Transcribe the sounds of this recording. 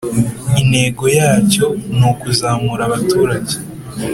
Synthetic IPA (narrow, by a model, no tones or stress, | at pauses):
ine̞ɡo̞jaːco̞nokuzaːmuɾaβatuːɾaɟe